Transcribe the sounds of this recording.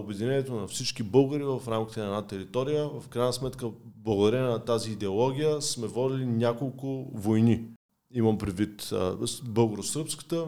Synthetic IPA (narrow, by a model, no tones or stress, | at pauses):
obɛd̪inɛnɛt̪onɐfsit͡ʃkibɤlˠɡəɾivɐfɾamkʲi̥t̪ɛnɐɛnat̪ɛɾit̪ɔɾijəvɐfkɾajnəsmɛt̪kəblˠɐɡʊd̪ɐɾɛnɐt̪aziːd̪ɛolˠɔɡʲijəsmɛvɔd̪ilinʲakolˠkʊvojni | iməmpɾɛd̪vit̪ | bɤlˠɡoɾosəɾpskə̥t̪ə